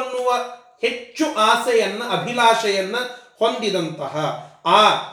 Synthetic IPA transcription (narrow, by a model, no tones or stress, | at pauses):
nːuʋɐ | he̞t͡ʃːuʔaːsɐjɐnːɐʔɐbʱilaːʃɐjɐnːɐho̞nd̪id̪ɐnt̪ɐɦɐaː